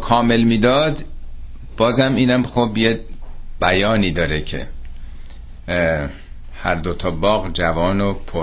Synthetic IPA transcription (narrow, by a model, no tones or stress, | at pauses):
kʰɒːme̞lmiːd̪ɒːd̪ | b̥ɒːzæmiːnæmχobjeb̥æjɒːniːd̪ɒːɾecʰe̞̰ | hæɾd̪ot̪ʰɒːbɒːɣd͡ʒævɒːnopʰo